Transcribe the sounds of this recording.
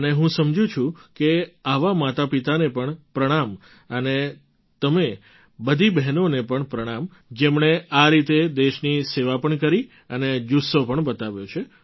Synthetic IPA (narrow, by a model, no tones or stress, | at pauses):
əneɦũsəmd͡ʒũt͡ʃʰũkeaʋamat̪apit̪anepəɳpɾəɽ̃am | əne | t̪əme | bəd̪ʱibɛɦnonepəɳpɾəɽ̃am | d͡ʒemɳeaɾit̪ed̪eʃniseʋapəɳkəɾi | əned͡ʒusopəɳbət̪aʋjot͡ʃʰe